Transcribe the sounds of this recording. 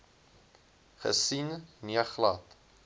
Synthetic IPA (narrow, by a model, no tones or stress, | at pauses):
χə̰sinniəχlɐt